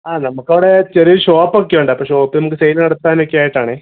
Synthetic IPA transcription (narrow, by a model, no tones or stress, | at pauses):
aːnɐmukːɐʋɽet͡ɕɐɾijɐlɕoːpːokːeʋuɳɖɨɐpːoːɕoːpːɨnɐmuk̬ːɨsɐjlnɐɽɐt̪ːaːnekːejaːjiʈːaːɳeː